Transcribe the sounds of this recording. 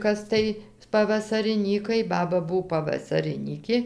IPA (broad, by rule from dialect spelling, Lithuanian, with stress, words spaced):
ˈkɐs tɐɪ pɐʋɐsɐrʲɪˈnʲiːkɐɪ ˈbɑːbɐ ˈbʊw pɐʋɐsɐrʲɪˈnʲiːkʲeː